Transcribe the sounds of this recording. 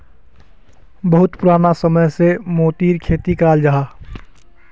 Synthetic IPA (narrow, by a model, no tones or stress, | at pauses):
bəɦʊt̪pʊɾaːnasəməjsemoːt̪iːɾkʰeːt̪ikaːld͡ʒaɦaː